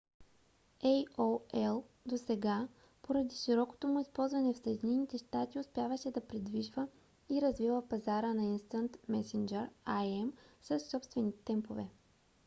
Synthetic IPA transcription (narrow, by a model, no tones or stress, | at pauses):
ɛjoɛlˠd̪osɛɡa | poɾɐd̪iʃiɾɔko̥t̪omʊispɔlˠzvɐnɛfsɐjɛd̪inɛnit̪ɛʃt̪at̪iʊspjavəʃɛd̪ɐpɾid̪viʒvə | iɾɐzvivəpɐzaɾənɐinst̪ənt̪mɛsind͡ʒɛɾajɛmsɐsːɔpst̪vɛnit̪t̪ɛmpovɛ̰